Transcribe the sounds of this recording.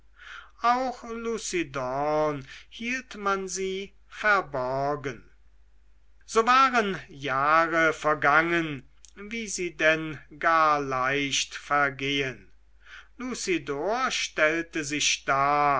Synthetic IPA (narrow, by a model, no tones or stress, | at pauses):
ʔaʊxluːsidɔnhiːltmanziː | fɛɐbɔʁɡən | z̥oːvaːʁənjaːʁəfɛɐɡaŋən | viːziːdɛnɡaːɐlaɪʃtfɛɐɡeːən | luːsidoɐʃtɛltəzɪʃd̥aː